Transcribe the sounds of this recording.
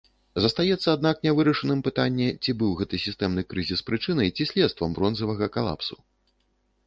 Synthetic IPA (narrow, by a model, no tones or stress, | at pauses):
zɐst̪ajɛt̪sːɐːd̪naknʲɛvɨɾɐʂɨnɨmpɨt̪anʲːɛt͡sʲibɨwɣɛt̪ɨsʲist̪ɛmnɨkɾɨzʲispɾɨt͡ʂɨnɐjt͡sʲisʲlʲɛt̪st̪vɐmbɾɔnzɐvɐɣɐkalˠa̰psu